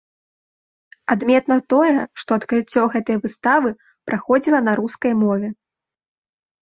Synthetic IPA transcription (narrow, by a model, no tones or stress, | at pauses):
ad̪mʲɛt̪nɐt̪ɔjɛʂt̪ɔɐt̪kɾɨt͡sʲːɔɣɛt̪ɐjvɨst̪avɨ | pɾaxɔd͡zʲilˠɐnaɾuskɐjmɔvʲɛ